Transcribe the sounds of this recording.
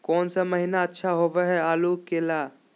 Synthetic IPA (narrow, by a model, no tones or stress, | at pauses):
kɔːnsaməɦinaətːʃʰaɦobɛɦɛaːlukela